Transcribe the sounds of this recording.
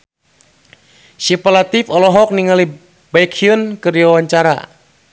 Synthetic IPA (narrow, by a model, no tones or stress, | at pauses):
sipalat̪ifɔlɔɦɔk̚niŋali | baikʰiənkɨriawaɲt͡ʃaɾa̰